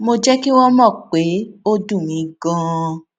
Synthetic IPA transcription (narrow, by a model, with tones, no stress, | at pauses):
mo˧d͡ʒɛ˦ki˦wɔ˦mɔ̃˦˨k͡pe˨˦o˦dũ˦˨mĩ˧ɡɔ̃˧˦